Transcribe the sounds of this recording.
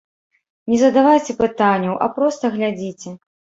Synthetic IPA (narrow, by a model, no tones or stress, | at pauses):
nʲɛzɐd̪avajt͡sʲɛpɨt̪anʲːɐwʔɐ̰pɾɔst̪ɐɣlʲad͡zʲit͡sʲɛ